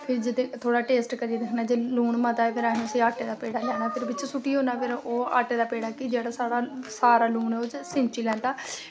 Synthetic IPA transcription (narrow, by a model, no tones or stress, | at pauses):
pʰɪɾd͡ʒɪd̪eːt̪ʰoːɽaːʈeːsʈkəɾiːd̪ekʰnaːd͡ʒeːluːɳmət̪aːeːpʰɪɾañːəsiːaːʈeːd̪aːpeːɽaːlɛːnaːt̪ʰeɾbɪt͡ʃsuʈiːɦõːnaːpʰɪɾoːa̰ːʈeːd̪aːpeːɽaːkɪd͡ʒeːɽaːsaːɽaːsaːɾaːluːɳɛoːt͡ʃsɪ̃ɲt͡ʃiːlɛ̃ːnt̪aː